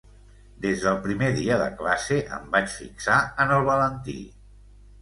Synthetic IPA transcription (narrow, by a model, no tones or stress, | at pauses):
d̪ezðəlˠpɾimeðiəðə̰klaseʔə̰mbat͡ʃfḭksaənəlˠβələnt̪ḭ